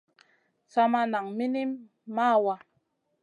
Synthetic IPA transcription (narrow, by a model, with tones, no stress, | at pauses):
sa˦ma˦na˨ŋmi˦ni˦mː | a˦˨wa˦